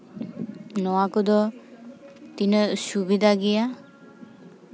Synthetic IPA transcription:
nɔwakod̪ɔ | t̪inəsubid̪ʱaɡɛja

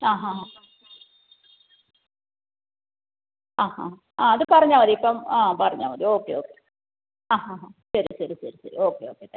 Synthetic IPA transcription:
aːɦaɦa | aːha | aːɐðɨpɐrɐɲːaːʋɐðiipːɐmaːpɐrɐɲːa̰ːʋɐðio̞ːkːejoːkːe | aːɦaːɦaɕɐɾiɕɐɾuɕɐɾisɐ̰ɾḭo̞ːkːejoːkːet̪ːe

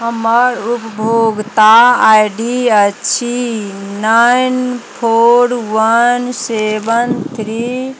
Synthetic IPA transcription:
ɦəməɾupbʱoɡt̪aajɖiət͡ʃʰinajnpʰoɾʋənsebənt̪ʰɾi

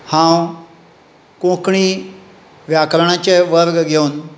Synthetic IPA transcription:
hãw | kõkɳiː | ʋjakɾəɳãt͡ɕeʋəɾɡɡʱeun

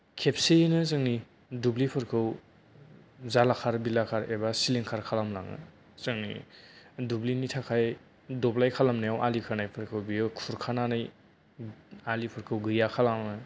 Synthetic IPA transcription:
kʰepsejnɯzɯŋni | dublipʰɯɾkʰɯw | zalakʰaɾbilakʰaɾebasiliŋkʰaɾkʰalamla̰ŋɯ̰ | zɯŋnḭ | dublinitʰakʰaj | dɔblajkʰalamnajawʔalikʰanajpʰɯɾkʰɯwbiɯkʰuɾkʰananaj | alipʰɯɾkʰɯwɡɯjakʰalamɯ

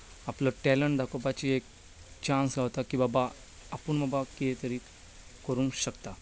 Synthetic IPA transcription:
apləʈɛləɳʈd̪akopat͡ɕiek̚ | t͡ɕãnsɡʱawt̪akĩw̃ʋaba | apəɳbabakiet̪əɾiː | kəɾũŋɕəkt̪a

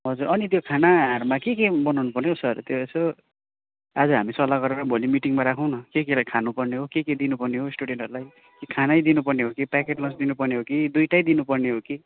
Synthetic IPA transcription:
ɦʌd͡zuɾʌnit̪jokʰanaɦːrmakekebʌnawnupʌrneɦosʌrt̪joeso | ad͡zʌɦamisʌlaɡʌɾeɾʌbʱolimiʈiŋmaɾakʰʌw̃nʌkekelakʰanupʌrneɦokeked̪inupʌrneɦosʈuɽeɳʈʌɾulaj | kikʰanajd̪inupʌrneɦokipakeʈlʌnsd̪inupʌrneɦokid̪ujʈajd̪inupʌrneɦoki

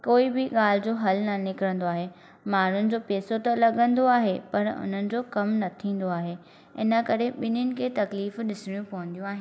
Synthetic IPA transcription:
koːibɪɠaːl̤ɪd͡ʑoːɦɐlnɐnɪkɪɾə̃nd̪oaːɦeː | maːn̤ʊnɪ̆d͡ʑoːpeːsot̪ɐlɐɠə̃nd̪oaːɦepɐɾʊ̰n̤ənɪ̆d͡ʑoːkɐmnɐt̪ʰĩːn̆d̪oaːɦeː | ɪ̰nəkɐɾeɓɪnʊnɪ̆kʰeːt̪ɐkliːfɗɪsɪɽ̃jũpɐɦə̃n̆d̪ijũaːɦɪ̃n

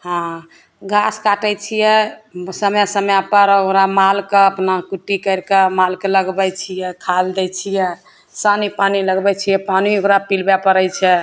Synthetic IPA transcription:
hã | ɡaskaʈət͡ʃʰijɛsəmjasəmjapəɾoɾamalkeəpnakuʈːikəɾkemalkeləɡbɛt͡ʃʰijɛkʰald̪ɛt͡ʃʰijɛ | sanipaniləɡbɛt͡ʃʰijɛpaniokɾapilbapəɾɛjt͡ʃʰɛ

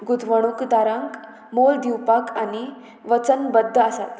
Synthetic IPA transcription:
ɡud̪ʱʋəɽ̃ukd̪aɾãŋk | mold̪iwpakani | ʋət͡sənbəd̪ʱːəəsa̰t̪

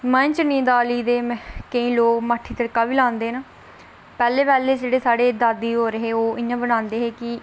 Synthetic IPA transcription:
mə̃t͡ʃnĩːd̪aːliːd̪eːkəĩːloːkmaːʈʰːiːt̪əɽkaːʋiːlãːnd̪eːnaː | pɛːleːpɛːleːd͡ʒeːɽeːsaːɽeːd̪aːd̪iːɦoːɾəɦeːoːʔɪjãːbəñãːnd̪eːɦeːkɪ

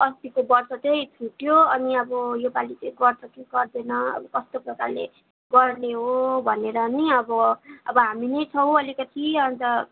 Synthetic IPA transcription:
ʌst̪ikobʌrt͡sʌt͡sʌjt̪ʰuʈjoʌniʌbʌjobalit͡sʌɡʌrt͡sʌkeɡʌrd̪enʌʌ̰bʌkʌst̪oprʌkarlḛ | ɡʌrneɦobʱʌneɾʌniʌbʌʌ̰bʌɦaminʌjt͡sʰʌw̃ʌlikʌt̪ʰiʌnt̪ʌ

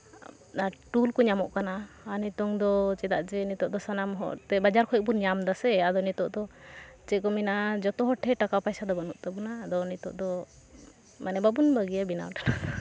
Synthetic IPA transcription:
aʈulkɔɲamɔʔkanaː | nit̪ɔŋd̪ɔt͡ʃɛd̪aʔd͡ʒɛnit̪ɔʔd̪ɔsanamɦɔ̰t̪ɛbad͡ʒaɾkʰɔɛbuɲamd̪asɛad̪ɔnit̪ɔʔd̪ɔt͡ʃɛkɔminad͡ʒɔt̪ɔɦɔʈʰːɛʈakawpajsad̪ɔbanuʔt̪abunad̪ɔnit̪ɔ̰ʔd̪ɔ | manɛbabunbaɡijabina̰wʈḁna

